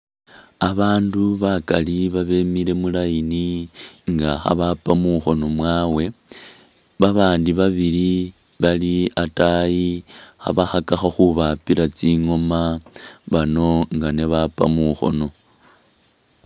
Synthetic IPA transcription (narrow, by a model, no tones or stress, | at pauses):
aβaːnduβakaliβaβe̞miɾe̞mulajiniŋɡaxa̰βapamuxo̞no̞mwaːwe̞ | βaβaːndiβaβili | βaliatajixa̰βaxakaxaxuβapilat͡siŋo̞maβano̞ŋɡane̞βapa̰muxo̞̰no̞